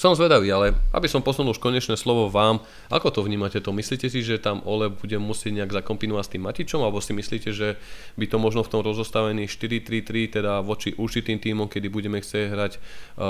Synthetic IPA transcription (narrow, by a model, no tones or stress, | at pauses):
sɔmzʋɛd̪aʋiːalɛʔa̰bisɔmpɔznnuluʃkɔɲɛt͡ʃnɛːslɔʋɔʋaːm | ʔa̰kɔt̪ɔvɲiːmacɛt̪ɔmisliːcɛsiʒɛt̪amʔɔlɛbuɟɛmːusɪɛɟɲɛaɡzakɔmpinɔʋast̪iːmːacit͡ʃɔmalɛbɔsimisliːcɛʒɛbit̪ɔmɔʒnɔft̪ɔmɾɔzɔst̪aʋɛniːʃt̪iɾit̪ɾit̪ɾit̪ɛd̪aʋɔt͡ʃiʔuɾt͡ʃit̪iːmt̪iːmɔmkɛd̪ibuɟɛmɛxt͡sɛɟɦɾac